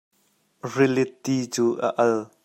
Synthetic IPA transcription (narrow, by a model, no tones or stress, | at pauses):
rɪlɪt̪ːiːt͡suːʔa̰ʔɐl